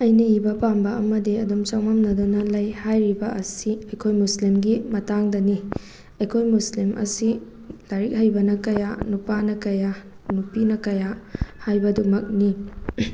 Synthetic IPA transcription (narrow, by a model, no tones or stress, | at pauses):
ɐjnɐibɐpambɐʔːmɐdiɐdumt͡ʃawmɐmnɐdunɐlɐjhajɾibɐʔɐsiɐjkʰojmuslimɡimɐtaŋdɐni | ɐjkʰojmuslimʔɐ̰si | d̥aɾik̚hɐjbɐnɐkɐjanupanɐkɐja | nupinɐkɐjahajbɐdumɐk̚ni